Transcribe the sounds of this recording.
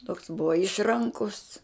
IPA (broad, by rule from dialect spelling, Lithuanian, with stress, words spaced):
toːks ˈbʊʋɐ ˈɪʃˈrɐŋkʊs